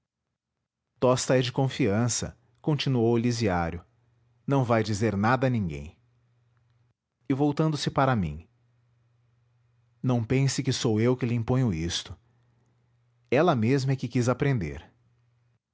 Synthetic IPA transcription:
t̪ɔst̪ɐɛd͡ʒɪkõfiɐ̃sɐ̰ | kõnt͡ʃinuowliziaɾjʊ | nɐ̃w̃vajd͡ʒizeɾnad̪ɐnĩŋɡḛ̃j̃ | ɪvowt̪ɐ̃nd̪ʊsɪpaɾɐmḭ̃ | nɐ̃w̃pẽsɪkɪsowewkɪlɪĩpõj̃ʊist̪ʊ̥ | ɛlɐmezmɐɛkɪkizapɾẽnd̪ḛɾ

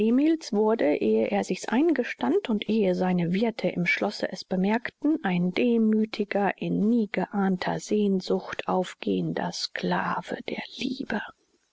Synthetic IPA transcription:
ʔeːmiːlsv̥ʊɐdəʔeːəʔeːɐzɪçsʔaɪnɡəʃtantʰʊntʔeːəzaɪnəvɪɐtʰəʔɪmʃlɔsə̰ʔɛsb̥əmɛɐktn̩ʔaɪndeːmyːtʰɪɡɐʔɪnːiːɡəʔaːntʰɐ̰zeːnzʊçtʔaʊfɡ̥ḛːəndɐ̰skla̰ːv̥ə̰d̥ḛːɐliːbə

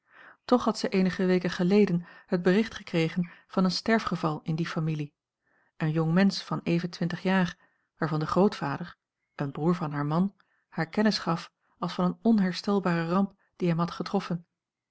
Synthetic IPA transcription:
tɔχɦɑtsɛjʔejnəχəʋejkəχəlejdənhəd̚bərɪχtχəkrejχənv̥ɑnənstɛɹfχəvɑlˠɪndifamili | ənjɔŋmɛnsfɑnejvəntʋɪntəχjaːr | ʋaːɹvɑndəχrowtfaːdəɹ | ənbruːɹvɑnɦaːɹmɑn | haːɹkɛnəsχɑf | ɑlˠsfɑnənɔnɦɛɹstɛlˠbaːrərɑmp | d̥iɦɛmɦɑtχətrɔfən

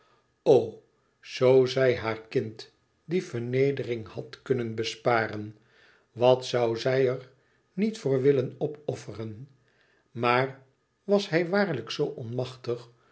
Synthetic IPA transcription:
ow | z̥owzɛjɦaːɹkɪnt | difəɹnejdərɪŋhɑtkɵnənbəspaːɾən | ʋɑtsɑwzɛjəɹ | nitfʊːɹʋɪlənɔpɔfərən | maːr | ʋɑshɛjʋaːɹləksowʔɔnmɑχtəχ

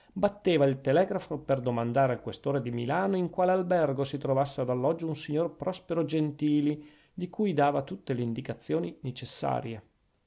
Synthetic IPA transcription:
bat̪ːeːvailt̪elɛːɡɾafoperd̪omand̪aːɾealkwest̪oːɾed̪imḭlaːnoiŋkwaːlealbɛrɡosit̪ɾovasːead̪alːɔd͡ʒːounsiɲːorpɾɔspeɾod͡ʒent̪iːli | d̪ikujd̪aːvat̪ut̪ːeleind̪ikat̪sːjoːninet͡ʃesːa̰ːɾje

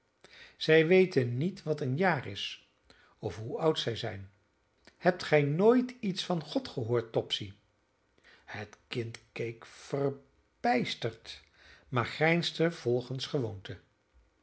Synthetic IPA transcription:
z̥ɛjʋejtənːitʋɑtənjaːrɪs | ɔfɦuʌwtsɛjzɛjn | hɛp̚tχɛjnoːjtitsfɑnχɔtχəɦoːɹtːɔpsi | hətkɪntkejkfər | b̥ɛjstəɹt | maːɹχrɛjnstəv̥ɔlˠχənsχəʋowntʰə

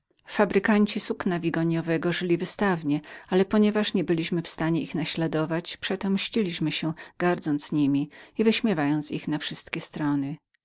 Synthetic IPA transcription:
fabɾɘkaɲt͡ɕisuknavʲiɡɔɲɔvɛɡɔʐɘlʲivɘst̪avɲɛalɛpɔɲɛvaʂɲɛbɘlʲiɕmɘfst̪aɲɛixnaɕlad̪ɔvat͡ɕpʂɛt̪ɔmɕʎilʲiɕmɘɕɛɡ̥aɾd̪zɔnt̪zɲimʲiivɘɕmʲjɛvajɔnt̪sixnafʂɘst̪kʲɛst̪ɾɔnɘ

